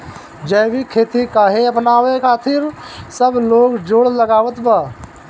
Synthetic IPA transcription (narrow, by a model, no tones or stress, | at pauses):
d͡ʒəjbikʰeːt̪ikaːɦeəpnaːʋekʰaːt̪ʰɪɾsəbloːɡd͡ʒoːɽləɡaːʋət̪baː